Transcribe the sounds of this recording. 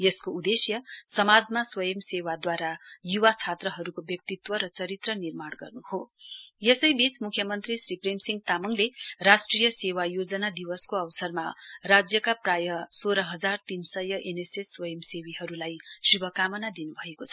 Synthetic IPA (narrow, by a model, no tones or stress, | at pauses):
jʌskoud̪esjʌsʌmad͡zmaswʌjʌmsewad̪waɾajuwat͡sʰat̪rʌɦʌɾukobjʌk̚t̪it̪wʌɾʌt͡sʌɾit̪rʌnirmaɽɡʌrnuhojesʌjbit͡smukʰjʌmʌnt̪risripremsiŋɡ̚t̪amʌŋlerasʈrijʌsewajod͡zʌnad̪iwʌskoʌwsʌrmarad͡zjʌkaprajʌsoɾʌɦʌd͡zart̪insʌjʌʔenesesːwʌjʌmsewiɦʌɾulajsubʱʌkamʌnad̪inubʱʌekot͡sʰʌ̥